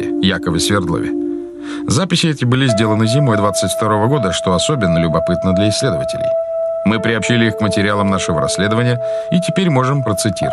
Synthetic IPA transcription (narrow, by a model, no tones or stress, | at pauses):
ɪ̰jakəvəsʲvʲɪrd̪lˠo̰vʲɪ̰ | zapʲɪsʲɪɛtʲɪbɨlʲɪzʲdʲelˠənɨzʲɪmo̞d̪vat̪sɨtʲft̪ɐɾo̞vəɡo̞d̪əʂt̪o̞ɐso̞bʲɪnːəlʲʊbɐpɨt̪nəd̪lʲɐɪsʲːlʲe̞d̪əvətʲɪ̰lʲɪ̰jmɨpɾʲɪɐpɕilʲɪixkmətʲɪɾʲɪalˠəmnaʂɨvəɾɐ̰sʲːlʲe̞d̪əvənʲɪjə | itʲɪpʲeɾʲmo̞ʐɨmpɾət̪sɨtʲḭ